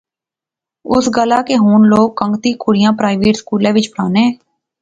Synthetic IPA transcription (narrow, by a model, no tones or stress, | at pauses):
ʊ̰sɡəlaːkeːɦuːnloːkːəŋɡt̪iːkʊɽɪjãːpɾaːɪʋeːʈskuːlɛ̃ːʋɪt͡ʃpəɽaːneː